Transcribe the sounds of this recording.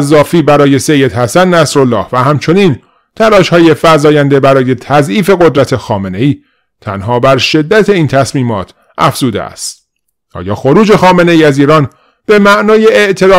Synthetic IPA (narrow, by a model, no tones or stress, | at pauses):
zːɒːfiːbæɾɒːje̞se̞jːe̞d̪hæsænnæsɾolːɒːhvæɦæmt͡ʃʰo̞niːn | t̪ʰælɒːʃhɒːje̞fæɾzɒːjænd̪e̞bæɾɒːje̞t̪ʰæzʔiːfe̞ɣo̞d̪ɾæt̪ʰe̞xɒːme̞ne̞iː | t̪ʰæ̰nɦɒːbæɾʃe̞d̪ːæt̪ʰe̞iːnt̪ʰæsmiːmɒːt̪ʰ | ʔæ̰fz̥uːd̪ḛæ̰st̪ | ʔɒ̰ːjɒ̰ːxo̞ɾuːd͡ʒe̞xɒːme̞ne̞iːæziːɾɒːn | b̥e̞mæʔnɒːjeeʔt̪ʰe̞lɒː